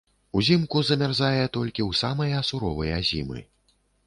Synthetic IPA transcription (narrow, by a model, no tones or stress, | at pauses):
uzʲimkuzɐmʲarzajɛt̪ɔlʲkʲiwsamɐjɐsuɾɔvɐjɐzʲḭmɨ̰